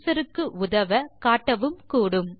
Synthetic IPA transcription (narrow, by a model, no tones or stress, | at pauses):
sɐɾɯkːɯʔʊðɐʋɐkaːʈːɐʋɯmkuːɽɯm